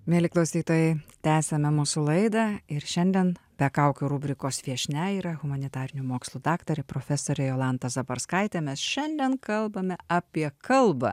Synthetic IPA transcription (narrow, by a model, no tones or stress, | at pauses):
mʲiɛlʲɪklˠɐʊsʲiːt̪oːjɛɪt̪ʲæːsʲɛmʲɛmuːsulˠɐɪd̪ɐɪɾʃʲɛnʲd̪ʲiɛnbʲɛkɐʊkʲʊɾuːbʲɾʲɪkoːsʋʲiɛʃʲnʲɛiːɾɐɣʊmɐnʲɪt̪ɑːɾʲɪnʲumoːkslˠuːd̪ɑːkt̪ɐɾʲɛpɾoːfʲɛsoːɾʲɛjoːlˠɑnt̪ɐzɐbɐ̰ɾskɐɪt̪ʲeːmʲɛsʃʲɛnʲd̪ʲɛnkɐlˠbɐmʲɛʔɑpʲiɛkɐlˠbɐ̰